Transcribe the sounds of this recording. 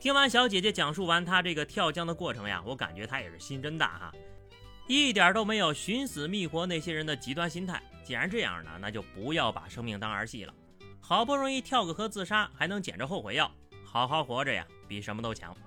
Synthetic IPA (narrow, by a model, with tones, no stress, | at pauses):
t̪ʰi˥ŋwa˧˥nɕ̬jɑ˧˥ʊt͡ɕjɛ˨˩t͡ɕjɛ˥t͡ɕjɑ˨˩ŋʂu˥˩wa˧˥nt̪ʰa˥ʈ͡ʂɤ˥˩ɡə˩t̪ʰjɑ˥˩ʊt͡ɕjɑ˥ŋd̪ə˨kwɔ˥˩ʈ͡ʂʰɤ˧˥ŋja̰˧˨wɔ˧˥ka̰˨˩nt͡ɕɥɛ˧˥t̪ʰa˥jɛ̰˨˩ʂɻ̩˥˩ɕi˥nʈ͡ʂə˥nt̪a̰˥˩xa̰˨˩ | i˥˩t̪jɑ˞˨˩t̪o˥ʊme˧˥ɪjo˨˩ʊɕy˧˥nsɹ̩˨˩mi˥˩xwɔ˧˥ne˥˩ɪɕjɛ˥ɻə˧˥nd̪ə˨t͡ɕi˧˥t̪wa˥˧nɕi˥nt̪ʰa̰˥˩ɪt͡ɕjɛ˨˩a˧˥nʈ͡ʂɤ˥˧jɑ̰˥˩ŋnə̰˩na̰˥˧˩t͡ɕjo˥˩ʊpu˧˥jɑ˥˩ʊpa̰˨˩ʂɤ˥ŋmi˥˩ŋt̪ɑ˥ŋə˞˧˥ɕḭ˥˩lə̰˩ | xɑ˨˩ʊpu˥˩ɻʊ˧˥ŋi˥˧t̪ʰjɑ˥˩ʊɡə˨˩xɤ˧˥t͡sɹ̩˥˩ʂa˥xa˧˥ɪnɤ˧˥ŋt͡ɕjɛ̰˨˩nʈ͡ʂə˦xo˥˩ʊxwe˧˥ɪjɑ˥˩ʊxɑ˧˩ʊxɑ˧˩ʊxwɔ˧˥ʈ͡ʂə˧ja̰˨˩pi˨˩ʂə˧˥nmə˧t̪̬o˥ʊt͡ɕʰjɑ̰˧˥ŋ